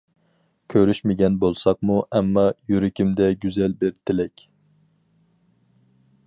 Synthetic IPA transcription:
kʲʰøɾyʃmɪɡʲɛnbolˠsɑq̚muʔɛmːɑjyɾɪkʲimd̪ɛɡʲyzɛlbɪɾt̪ʰɪlɛkʲ

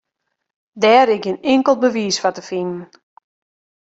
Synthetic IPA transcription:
dɛːɾɪkənɪŋkəlˠbəʋiːsfatəfinn̩

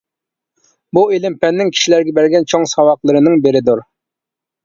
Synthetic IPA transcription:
buelɪmpɛnːɪŋkʲʰi̥ʃilæɾɡʲɛbæɾɡʲɛnt͡ʃʰoŋsɑwɑqlˠɨɾɨnɨŋbeɾɪd̪uɾ

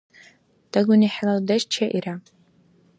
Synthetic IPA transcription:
d̥aɡʷʊniħlaldaʃt͡ʃʰaʔira

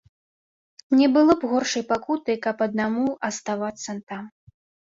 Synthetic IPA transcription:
nʲɛbɨlˠɔbɣɔrʂɐjpakut̪ɨkɐpɐd̪̚namuɐst̪avat̪sːɐnt̪am

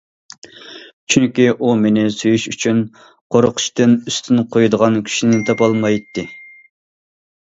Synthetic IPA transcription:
t͡ʃʰyŋkʲiʔumenɪsujyʃyt͡ʃʰyn | qʰoɾʊqʰʊ̥ʃt̪ɨnyst̪ʰynqʰojd̪əʁɑnkʲʰy̥ʃinɪt̪ʰɑpɑlˠmɑjt̪ʰːɨ

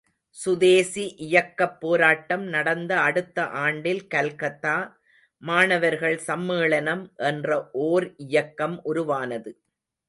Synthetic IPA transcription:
sʊðeːsiʔɪjɐkːɐpːoːɾaːʈːɐmnɐɽɐnd̪ɐɐɽɯt̪ːɐʔaːɳɖɪlkɐlkɐt̪ːaː | maːnɐʋɐɾɣɐɭsɐmːɯːɭɐnɐmʔɛndrɐʔoːɾɪjɐkːɐmʔʊɾʊʋaːnɐðɯ

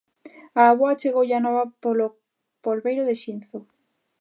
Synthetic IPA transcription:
aːβoat͡ʃeɣowʎanɔβapolo | polβejɾʊðeʃin̟θo

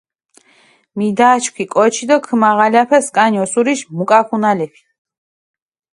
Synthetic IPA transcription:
mid̪aːt͡ʃʰkʰʷikʼɔt͡ʃʰid̪ɔkʰmaʁalapʰɛskʼanjɔsuɾiʃmukʼakʰunalɛpʰi̥

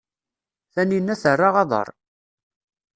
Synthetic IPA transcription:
θæninːæθərˤːɑʁɑðˤə̰ɾˤ

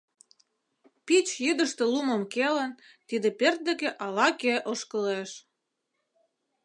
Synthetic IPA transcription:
pit͡ɕjyd̪ə̆ʃt̪ĕluməmkelən | t̪id̪ĕpert̪̚d̪ĕkeʔɑlɑkeʔoʃkəleʃ

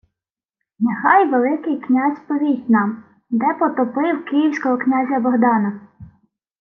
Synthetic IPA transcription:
nexɑjʋelˠɪkɪjknʲazʲpɔʋʲisʲtʲnɑm | d̪ɛpɔt̪ɔpɪwkɪjiwsʲkɔɦɔknʲazʲɐbɔɦd̪ɑnɐ

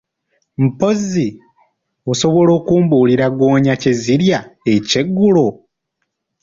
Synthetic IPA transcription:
m̩po̞zi | oso̞βo̞lo̞ːkuːmbuːliɾaɡo̞ːɲace̞ziɾjaece̞ɡːulo

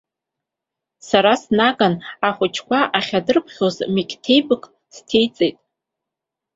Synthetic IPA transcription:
saɾasnaɡanaχʷʊt͡ʃʰkʷaʔaχʲadɨrpʰχʲozmikʲʼtʰe̞jbɨkʼ | stʰe̞jt͡sʼejtʼ

